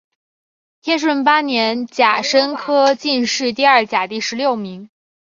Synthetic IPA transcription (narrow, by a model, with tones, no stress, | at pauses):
t̪ʰjɛ˥nʂ̬wə˥˩npa˥njɛ˧˥nt͡ɕja˨˩ʂə˥nkʰɤ˥t͡ɕi˥˧nʂɻ̩˥˧t̪̬i˥˧ɐ˞˥˩t͡ɕja˨˩t̪i˥˩ʂɻ̩˧˥ljo˥˩ʊmi˧˥ŋ